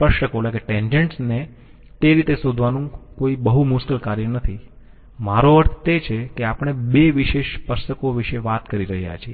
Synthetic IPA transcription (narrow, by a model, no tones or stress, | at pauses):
pəʃəkolekeʈẽɲd͡ʒeɳʈsne | t̪eɾit̪esod̪ʱʋanũkoibəɦumuskəlkaɾjənət̪ʰi | maɾoəɾt̪ʰt̪et͡ʃʰekeapɳ̃ebeʋiʃeʃpəɾʃəkoʋiʃeʋat̪kəɾiɾəɦja̰t͡ʃʰie